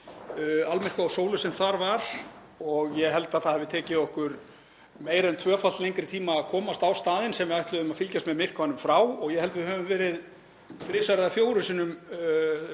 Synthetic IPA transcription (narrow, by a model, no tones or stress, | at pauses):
almɛrkaawsoːwlʏsɛmθaɾvaɾ̥ | ɔɣjɛɦɛlt̪aðθaðhavɪt̪ʰɛːcɪɔhkʏɾ | meːjɾɛnt̪ʰvœːfalt̪lejŋkɾɪt̪ʰiːmaːkʰɔːmast̪awst̪aːðɪnsɛmvɪajht̪ʏðʏmaðfɪlcast̪mɛðmɪr̥kvanʏmfɾaːwɔɣjɛhɛlt̪vɪðhœːvʏmvɛːɾɪð | fɾɪːsaɾɪðafjoːwɾʏsiːnʏm